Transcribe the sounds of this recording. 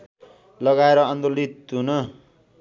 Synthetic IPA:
lʌɡaeɾʌʌnd̪olit̪ɦunʌ

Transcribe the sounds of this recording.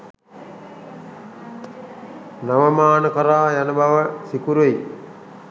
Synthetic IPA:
naʋəmaːnəkəɾaːjanəbʱaʋəsikuɾui

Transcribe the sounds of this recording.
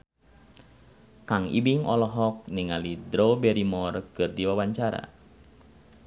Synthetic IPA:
kaŋḭbiŋʔɔlɔɦɔk̚niŋalidɾobɛɾimɔrkɨrdiwawaɲt͡ʃaɾa̰

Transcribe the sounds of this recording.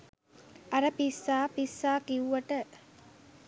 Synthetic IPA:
ʔɐɾəpisːaːpisːaːkiuʋɐʈə

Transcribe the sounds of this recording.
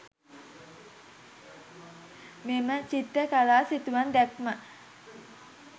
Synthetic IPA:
memət͡ʃit̪ːəkalaːsit̪uand̪ɛkmə

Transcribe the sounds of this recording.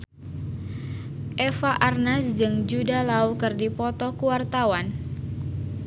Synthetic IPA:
ʔɛfaʔarnasd͡ʒɨŋd͡ʒudalaukɨrdipɔt̪ɔkuwart̪awan

